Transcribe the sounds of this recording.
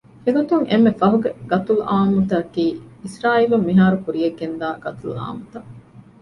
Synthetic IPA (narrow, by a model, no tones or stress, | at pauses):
eɡot̪uŋʔemːefɐɦuɡeɡ̥ɐt̪uluʔaːmut̪ɐkiːisɾaːilumːiɦaːɾukuɾieɡːend̪aːɡ̥ɐt̪ulua̰ːmut̪ɐ